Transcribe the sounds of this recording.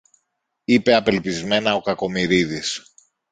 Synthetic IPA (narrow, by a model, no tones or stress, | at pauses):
ipe̞ɐpe̞lpizme̞nɐo̞kɐko̞miɾiðis